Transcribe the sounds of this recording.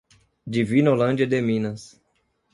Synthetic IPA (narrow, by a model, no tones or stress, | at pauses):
d͡ʒivinolɐ̃nd͡ʒɐd̪emĩnɐs